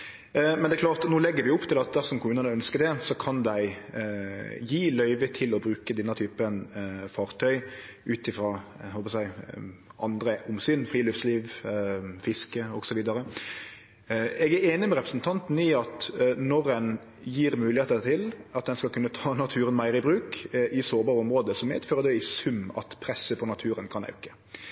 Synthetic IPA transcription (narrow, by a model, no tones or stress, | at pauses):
mɛnd̪ɛklɑːt̪noːlɛɡːəɾʋɪʊpːt̪ʰɪlɑt̪̚d̪æsɔmkʰʊmʉːnənəœnskəɾd̪ɛsɔkʰɑnd̪æɪ | jiːlœʏʋət̪ʰɪlɔbɾʉːkəd̪ɪnːət̪ʰyːpənfɑːʁt̪ʰœʏ | ʔʉːt̪ɪfɾɑhɔlˠpɑsæɪʔɑnd̪ɾəʊmsyːnfʁiːlʉft̪sliːʋ | fɪskəɔɡsɔʋiːd̪ɑɾə | ɛɡæeːnɪmɛʁɛpɾəsn̩t̪ʰɑnt̪n̩ɪɑt̪nɔɾɛn | jiːɾmʉːlɪheːt̪ət̪ʰɪlɑt̪̚d̪ɛnskɑlkʉnːət̪ʰɑːnɑt̪ʰʉːɾənmæɪɾəɪbɾʉːkʔɪsoːɾbɑːɾəɔmʁoːd̪əsɔmæɛɪt̪føːʁəd̪ɛɪsʉmɑ̰t̪pʰɾɛsəpʰɔnɑt̪ʰʉːɾənkʰɑnɑ̰ʉkə̥